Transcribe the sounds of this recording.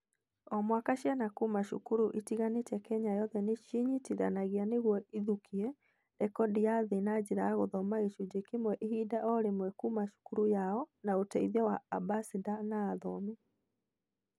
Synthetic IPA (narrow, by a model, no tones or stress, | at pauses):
ɔmwakaʃjanakumaʃṵkuɾuʔitiɣanetɛkɛɲajɔðɛneʃiɲitiða̰naɣianeɣwɔiðukʰiɛ | ɛkɔdiaðenad͡ʑeɾaːɣoðɔmaiʃud͡ʑekemwɛʔehidaʔɔɾemwɛkumaʃu̥kuɾujaɔnaotɛiðɛwaːbasidanaːðɔmi